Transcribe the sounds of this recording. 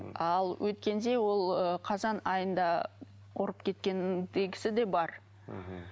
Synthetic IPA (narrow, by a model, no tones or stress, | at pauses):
ɑlˠwʔɵt̪kʲe̞nd̪e̞wo̞lˠəqʰɑzɑnɑjənd̪ɑ | qoɾəpkʲʰe̞t̪̚kʲe̞nd̪eɡʲɪsɪd̪e̞bɑɾ